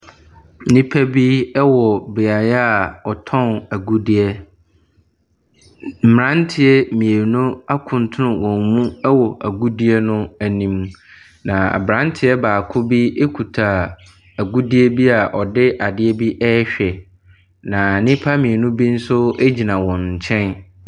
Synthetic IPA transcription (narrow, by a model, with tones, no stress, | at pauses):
nĩ˦pʰæ˦bi˦ɛ˦wɔ˨bɪ˨a˨ja˦a˨ɔ˨tʰɔ̃˦næ˨ɡu˦di˦ɛ˦ | m̩˦˨m˨ɾã˦n˦tʰɪ˦ɛ˦mĩ˨e˨nũ˦a˦kʰʊ̃˨ntʰʊ˦nʊ̃˨wɔ̃˨m˨mũ˦ɛ˦wɔ˨ʔæ˨ɡu˦di˦ɛ˦nʊ̃˦æ˨nĩ˨m | nã˨a̰˨bɾã˦n˦tʰɪ˦ɛ˦baː˨kʰʊ˦bi˦ʔe˦kʰu˨tʰa˨ | æ˨ɡu˦di˦e˦bi˦a˨ʔɔ˨dɪ˦ʔa˨dɪ˦ɛ˦bi˦ʔɛ˦ɛ˦ɕᶣɛ˨ | nã˨nɪ̃˦pʰa˦mĩ˨e˨nʊ̃˦bi˦n̩˦sʊ˦e˦d͡ʑi˨nã˨wɔ̃˨n̩˨t͡ɕʰɛ̃˦n